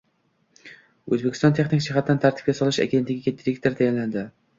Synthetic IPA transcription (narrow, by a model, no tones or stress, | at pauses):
ɵzbekʲʰɪst̪ɒnt̪ʰe̞χnɪkʲd͡ʒɪɦat̪ːant̪ʰaɾt̪ʰɪ̥p̚kʲasɒlˠɪʃa̰ɡʲent̪lʲɪɡʲikʲʰet̪ːɾekʲt̪eɾt̪ʰajanland̪ɪ